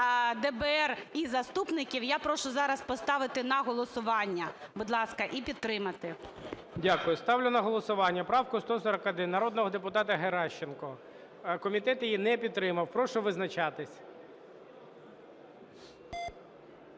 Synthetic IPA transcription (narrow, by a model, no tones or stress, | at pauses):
d̪ɛbɛɛrizɐst̪upnɪkʲiwjapɾɔʃʊzɑɾɐspɔst̪ɑʋɪt̪ɪnɐɦɔlˠɔsʊʋɑnʲːɐbʊd̪lˠɑskɐʔipʲit̪t̪ːɾɪmɐt̪ɪ | dʲakʊjʊst̪ɑwlʲʊnɐɦɔlˠɔsʊʋɑnʲːɐpɾɑwkʊst̪ɔsɔɾɐkɐd̪ɪnːɐɾɔd̪nɔɦɔd̪epʊt̪ɑt̪ɐɦeɾɑʃt͡ʃenkɔ | kɔmʲit̪ɛt̪jijinɛpʲid̪t̪ːɾɪmɐwpɾɔʃʊʋɪznɐt͡ʃɑt̪ɪsʲ